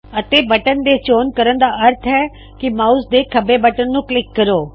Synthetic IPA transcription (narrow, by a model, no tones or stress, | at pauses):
ət̪eːbəʈənd̪eːt͡ʃoːnkəɾənd̪aːʔəɾt̪ʰɦɛː | kɪmaːusd̪eːkʰəbeːbəʈənːũːklɪkːəɾoː